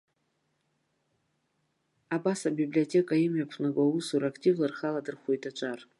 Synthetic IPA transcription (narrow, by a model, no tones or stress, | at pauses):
abasabiblʲio̞tʲʰʼe̞kʼaimjapʰnaɡʷowusuɾakʰtʼivlarχaladɨrχʷojtʼat͡ʃʷʼar